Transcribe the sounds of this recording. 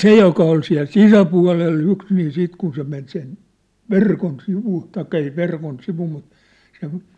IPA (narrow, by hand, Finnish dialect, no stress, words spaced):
se jokɑ ol siæ̝l sisæpuɑ̝lelː yks niː siːt kun se men sen ʋerkon siʋu tɑikːɑ ei sĕ ʋerkon siʋu mut sen